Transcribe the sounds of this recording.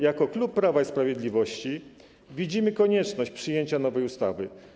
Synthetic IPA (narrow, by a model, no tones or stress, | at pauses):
jakɔklupːɾavaispɾavʲjeɛd̪lʲivɔɕt͡ɕi | vʲid͡ʑimɘkɔɲɛt͡ʂnɔɕt͡ɕpʂɘjeɲt͡ɕanɔvɛjust̪avɘ